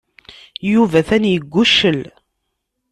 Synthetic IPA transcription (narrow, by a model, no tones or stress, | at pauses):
juvæθænjəɡʷːuʃːəl